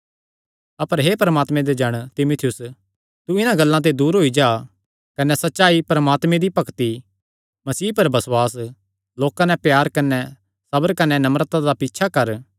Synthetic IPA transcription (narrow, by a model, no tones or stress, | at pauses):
ɐpəɾɦepɐɾəmaːt̪mɛ̃d̪ed͡ʒɐɽ̃t̪ɪmʊt̪ʰɪjʊs | t̪uɪnãɡɐlːãt̪̬ed̪uːɾɦoːid͡ʒaː | kɐnɛsɐtːʃaːipɾɐmaːt̪mẽd̪ipɐkt̪i | mɐsiːpɐɾbɐswaːs̬ | loːkãnɛ̃pjaːɾkɐnɛ | sɐbəɾkɐnɛnɐmɾt̪ãd̪apiːtːʃʰakɐɾ